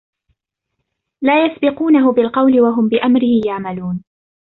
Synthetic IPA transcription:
laːjasbɪquːnaɦʊbɪlqɑwlɪwaɦʊmbɪʔamɾɪhɪjaʕmaluːn

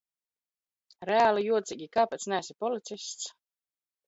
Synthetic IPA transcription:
ɾɛaːlˠijuɔt̪siɡʲikaːpɛt̪snæsipɔlit̪sisʲt̪s

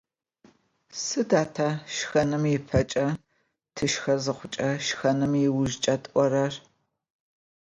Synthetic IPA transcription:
sɨdaːtʰaʃxɐnɨmjɪpʰɐt͡ʃʼɐ | tʰɨʃxɐzɨχʷʊt͡ʃʼɐʃxɐnɨmjɪwʊʒt͡ʃʼɐtʼʔʷɔɾɐr

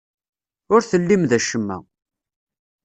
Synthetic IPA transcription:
ʊɾθəlːimðæʃəmːæ̰

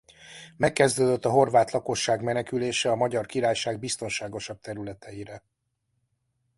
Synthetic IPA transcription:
mɛkːɛzd̪øːd̪øt̪ːɒɦo̞rvaːt̪lˠɒko̞ʃːaːɡmɛnɛkyleːʃɛɒmɒɟɒrkiɾaːjʃaːɡ̚bist̪o̞nʃaːɡo̞ʃɒb̚t̪ɛɾylɛt̪ʰɛjiɾɛ

